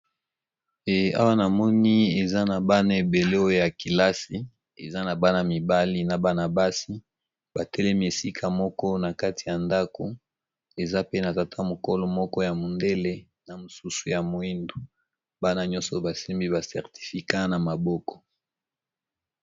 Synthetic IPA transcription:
e˨a̰˦wa˦na˨mɔ˦ni˦e˨za˦na˨ba˦na˨e˨be˨le˦o˦jo˦ja˨ki˨la˦si˦ | ḛ˨za˦na˨ba˦na˨mi˨ba˦li˦na˨ba˨na˨ba˦si˦ | ba˨tʰɛ˦lɛ˦mi˦e˨si˦kʰa˨mɔ˦kɔ˦na˨ka˦ti̥˨ja˨nda˦ko˨ | e˨za˦pe˦na˨ta˨tʰa˦mo˨ko˦lɔ˨mɔ˦kɔ˦ja˨mo˨nde˦le˦ | na˨mo˨su˦su˨ja˨mo˨i˦ndo˨ | ba˦na˨ɲɔ̃˦nsɔ˨ba˨si˦mbi˦βa˨sɛ˨ʁti̥˨fi˨ka˦na˨ma˨bɔ˦kɔ̥˨

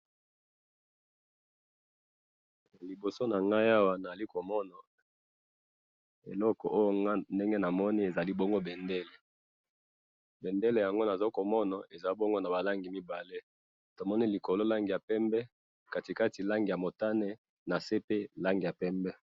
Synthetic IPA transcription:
li˨bo˨so˦na˨ŋɡa˦ja˦wa˦na˨a˨li˦ko˨mɔ˦na˨ | e˨lɔ˦kɔ˨ʔo˦jo˦a˦nde˦ŋɡe˦na˨mɔ˦ni˦e˨za˨li˦bɔ˦ŋɡo˦bɛ˨ndɛ˦le˨ | bɛ˨nde˦le˨ja˨ŋɡo˦na˨za˦ko˨mɔ˦na˨ʔe˨za˨i˦bɔ˦ŋɡo˦na˨ba˨la˦ŋɡi˨mi˦ba˨le˦ | to˨mɔ˦ni˦li˨ko˨lo˦la˦ŋɡi˨ja˨pɛ˦mbɛ˦ | ka˨ti˨ka˦ti˨la˦ŋɡi˨ja˨mo˨ta˦ne˦ | na˨se˦pe˦la˦ŋɡi˨ja˨pɛ˦mbɛ˦

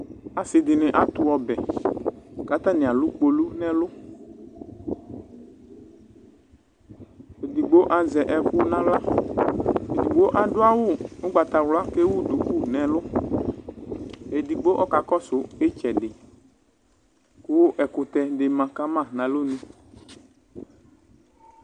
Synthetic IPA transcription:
a˨sɪ˨d̪ɪ˨nɪ̃˨ʔa˨t̪ʊ˨ɔ˨bɛ˨ | ka˦t̪a˦nɪ̃˨a˨lʊ˦k͡po˨lu˦nɛ̃˦lʊ˦ | e˨d̪i˨ɡ͡bo˦ʔa˨zɛ˨ʔɛ˨kʊ˦nã˦la˦ | e˨d̪i˨ɡ͡bo˦ʔa˨dʊ˦a˦wʊ˦ʊ˦ɡ͡ba˨t̪a˨wla˦ke˦wʊ˦d̪u˨ku˦nɛ̃˨lʊ˦ | e˨di˨ɡ͡bo˦ʔɔ˦ka˨kɔ˦sʊ˨e˦t͡ʃɛ˨ɖɪ˨ | kʊ˦ʔɛ˨kʊ˨t̪ɛ˨ɖɪ˨mã˨ka˦mã˦˨nã˨lo˦nũ˦

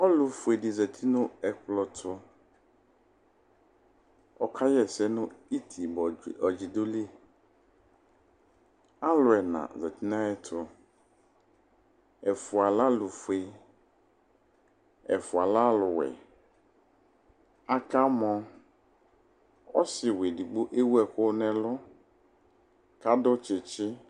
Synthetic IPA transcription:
ɔ˦lʊ˨fʊ˨e˨dɪ˨zɛ˨t̪ʰi˦nʊ̃˦ɛ˨klɔ˨tʰʊ˦ | ɔ˨kʰa˦jɛ˨sɛ˦nʊ̃˦i˦t̪ʰi˨bɔ˨d͡ʑi˨dʊ˦li˦ | a˦lʊ˨ɛ˨nã̰˨zɛ˨t̪ʰi˦nã˦ɛ˦tʰʊ˦ | ɛ˨fʊ˨a˨la˦lʊ˨fu˨e˨ | ɛ̰˨fʊ˨a˨la˦lʊ˨wɛ̰˨ | a˦ka˦mɔ̃˦ | ɔ̰˦sɪ˨we˨di˨ɡ͡bo˦ʔe˦wu˦ɛ˨xʊ˦nɛ̃˨lʊ˦ | ka˦dʊ˦t͡ʃɪ˨t͡ʃɪ˦

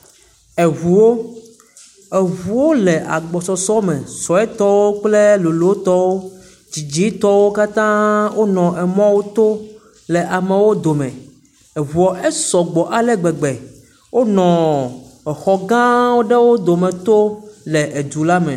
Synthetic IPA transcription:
e˨vu˨wo˦ | e˨vu˨wo˦le˨ʔa̰˨ɡ͡bɔ˨sɔ˨sɔ˦mɛ̃˨sɔ˨ɛ˦t̪ɔ˦wo˦k͡ple˦lo˨lo˨˦o˦t̪ɔ˦wo˦ | d͡ʑi˨d͡ʑi˦t̪ɔ˦wo˦ka˦t̪ã˦wʔo˦nɔ̃˨ʔɛ˨mɔ̃˦wo˦t̪o˦ | lɛ˨ʔa˨mẽ˨wo˦d̪o˨mɛ̰̃˨ | e˨vu˨ɔ˨ʔe˦sɔ˨ɡ͡bɔ˨ʔa˨lɛ˦ɡ͡bɛ˨ɡ͡be˨ | wʔo˦nɔ̃˨ɛ˨xɔ˨ɡã˦wo˦ɖe˦wo˦d̪o˨mɛ̃˨t̪o˦le˨ʔe˨d̪u˨la˦mɛ̰̃˨

